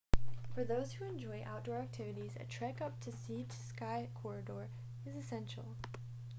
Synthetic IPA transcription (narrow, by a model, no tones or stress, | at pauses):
fə˞ðoʊz̥huɨ̃nd͡ʒɔɪʔa̰ʊt̚d̥ɔɹæk̚tʰɪvɨɾizɨ̰tʰɹ̥ækʌp̚tʰɨsitskaɪkʰɔɹɨdɔɹ | ɨzɨsɛ̃nʃl̩ˠ